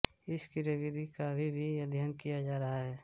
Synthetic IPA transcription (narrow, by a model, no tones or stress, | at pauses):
ɪskiɾəʋɪd̪ʱikabʱibʱiəd̪ʱjaːnkijad͡ʒaːɾɐɦaɦɛː